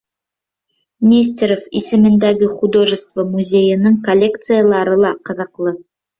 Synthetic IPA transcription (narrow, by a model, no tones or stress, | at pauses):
nʲes̬ʲt̪ʲeɾofisɘ̆mɘ̆nd̪æɡɘχud̪oʒəst̪vəmuzʲe̞jənɤŋkolʲːekt̪sɨjalˠɑɾɤlˠɑqɤ̆ðɤ̆qlˠɤ